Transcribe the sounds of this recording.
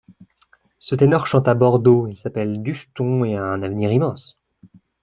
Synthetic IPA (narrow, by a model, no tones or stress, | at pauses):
sət̪enɔʁʃɑ̃t̪abɔʁd̪oisapɛld̪yst̪ɔ̃eɛ̃navniʁimɑ̃s